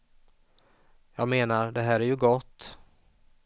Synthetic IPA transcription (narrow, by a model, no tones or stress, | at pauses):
jɑːɡmeːnaɾɖɛɦæːɾæɾjɵɡɔt̪ː